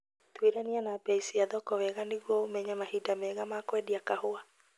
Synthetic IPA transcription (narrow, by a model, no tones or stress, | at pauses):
t̪weɾanianabɛisiaðɔkɔwɛɣaniɣomɛɲamahidamɛɣamakwɛdiakahoa